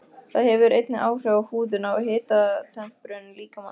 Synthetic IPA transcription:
θaðhɛvʏɾʔejt̪nɪʔaːwr̥ɛvahuːðʏnawaɦeːt̪at̪ʰɛm̥pɾʏnliːkama̰

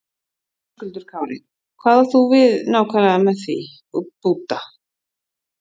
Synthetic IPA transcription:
kʏlt̪ʏɾ̥kʰaːwɾɪ | kʰvaːðaɾ̥θuvɪðnaːwkʰvaɾmɛðθvḭ | upuwt̪a

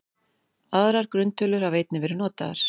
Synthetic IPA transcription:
aðɾaɾ̥kɾʏnt̪ʰœlʏɾ̥haveːjt̪̚nɪvɛːɾɪnɔːt̪aða̰ɾ̥

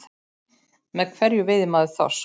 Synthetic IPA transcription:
mɛðkʰvɛɾjʏvɪðɪmaːðɪθa̰s

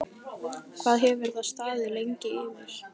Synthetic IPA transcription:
kʰv̥aːðɦɛvvɛɾðaðst̪aːðɪlejɲcɪɪːmɪɾ̥

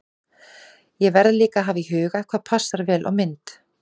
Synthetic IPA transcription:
jɛvɛɾðliːkaɦaːviɦʏːɣakʰvaːðpʰasaɾvɛːlʔɔ̰ɣmɪnt̪

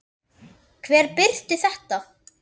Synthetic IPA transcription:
kʰvɛːɾpɪɾt̪ɪθɛht̪a

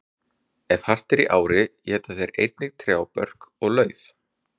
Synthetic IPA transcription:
ɛvhar̥t̪ɛɾiʔaːwɾɪjɛːt̪aθɛɾʔejt̪̚nɪɣt̪ʰɾjaːwpœ̰r̥kɔɣlœːɥθ

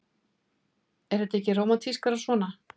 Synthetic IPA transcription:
ɛɾ̥ɛt̪ɛhcɪroːwmat̪ʰiskaɾasvɔːna

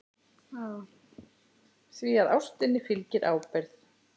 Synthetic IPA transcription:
a | θviaðawst̪ɪnːɪfɪlcɪɾʔaːwpɛɾθ

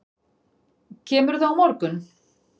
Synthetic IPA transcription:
cʰɛːmʏɾθaawmɔɾkʏn

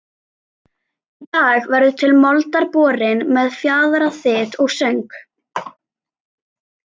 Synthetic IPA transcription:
t̪aːɣvɛɾðʏt̪ʰɪlmɔlt̪aɾpɔːɾɪnmɛðfjaːðɾaθɪːt̪ɔɣsœɥŋk

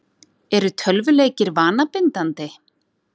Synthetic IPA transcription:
ɛɾʏt̪ʰœlvʏleːjcɪɾvaːnapɪnt̪ant̪ɪ

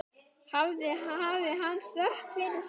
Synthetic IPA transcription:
havðɪaːvɪɦanːsœht̪fɪɾɪs

